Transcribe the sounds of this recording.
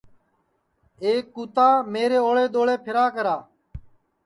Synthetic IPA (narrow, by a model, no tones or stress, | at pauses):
eːkːuːt̪aːmeːɾeːoːɭeːd̪oːɭeːpʰɪɾaːkəɾaː